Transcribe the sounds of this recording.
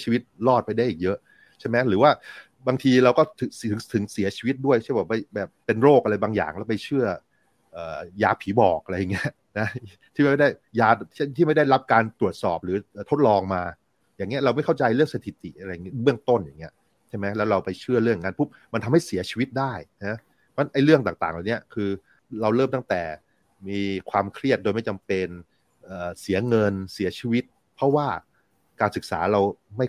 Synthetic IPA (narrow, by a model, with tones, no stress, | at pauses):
t͡ɕʰi˧wi˦˥t̪̚lɔː˥˩t̪̚pa˧jda˥˩jʔiː˨˩k̚jɤ˦˥ʔ | t͡ɕʰa˥˩jmɛ˦˥ɾɯː˩˦waː˥˩ | baː˧ŋt̪ʰiː˧ɾa˧wkɔː˥˩t̪ʰɯ˨˩˦ŋt̪ʰɯ˨˩˦ŋsi˨˩˦ɐt͡ɕʰiː˧wi˦˥t̪̚du˥˩əjkʰbɛː˨˩ma˥˩bɛː˨˩p̚ːe˧nɾoː˥˩k̚ʔa˧ɾa˧jbaː˧ŋja̰ː˨˩ŋlɛː˦˥wpa˧jt͡ɕʰɯ˥˩ɐ | ʔɤː˨˩jaː˦˩pʰiː˩˦bɔ̰ː˨˩k̚ʔa˧ɾa˧ja˨˩ŋːi˦˥ɐʔ | na˦˥t̪ʰiː˥˩ma˥˩m˥˩da˥˩jjaː˧˥˩t̪ʰiː˥˩ma˥˩jda˥˩jɾa˦˥p̚kaː˧nt̪u˨˩ət̪̚sɔ̰ː˨˩p̚ɾɯː˩˦ʔəː˨˩t̪ʰo˦˥t̪̚lɔː˧ŋmaː˧ | jaː˨˩ŋːi˦˥ɐ˩ɾa˧wma˥˩jkʰa˥˩wt͡ɕa˧jɾɯ˥˩əŋsa˧t̪ʰi˨˩t̪ḭ˨˩ʔa˧ɾa˧ja˨ŋːi˦˥bɯ˥˩əŋt̪o˥˩njaː˨˩ŋːi˦˥ɐ | t͡ɕʰa˥˩ma˦˥jlɛː˦˥wɾa˧wpa˧jt͡ɕʰɯ˥˩ɐɾɯ˥˩˨ŋː˨a˦˥npʰu˦˥˩p̚ma˧nt̪ʰa˧mha˥˩jsi˨˩˦ɐt͡ɕʰiː˧wi˦˥t̪̚daː˥˩jna˦˥ | pʰɔ˥˧˥nʔa˥˩jɾɯ˥˩əŋt̪aː˨˩ŋt̪aː˨˩ŋla˨˩wni˦˥ɐkʰɯː˧ | ɾa˧wɾɤː˥˩mt̪a˥˩ŋt̪ɛː˨˩ | miː˧kʰwaː˧mkʰɾi˥˩ət̪̚doː˧jma˥˩jt͡ɕa˧mpe˧n | ʔɤː˨˩si˨˩˦ɐŋɤ˧nsi˩˦ɐt͡ɕʰiː˧wi˦˥t̪̚ | pʰɾɔ˦˥waː˥˩ | kaː˧nsɯ˨˩k̚sa̰ː˩˦ɾa˧wma˥˩j